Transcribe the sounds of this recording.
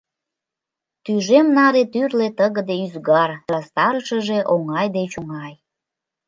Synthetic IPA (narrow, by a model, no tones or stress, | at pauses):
t̪yʒemnɑɾet̪yrlet̪əɣəd̪eyzɣɑrɑst̪ɑɾʃəʒeʔoŋɑjd̪et͡ɕoŋɑj